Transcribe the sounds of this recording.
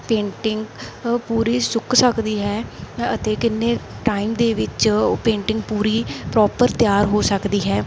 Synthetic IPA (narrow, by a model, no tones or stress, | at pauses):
pẽːɳʈɪŋɡpuːɾiːsʊkʰsəkd̪iːɦɛːət̪eːkɪnːeː | ʈaːimd̪eːʋɪt͡ʃpẽːɳʈɪŋɡ̚puːɾiːpɾɔːpəɾt̪jaːɾɦoːsəkd̪iːɦɛː